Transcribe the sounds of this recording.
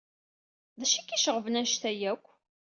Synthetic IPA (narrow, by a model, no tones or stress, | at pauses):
ðæʃikːiʃəʁəvnæʃθæjækʷː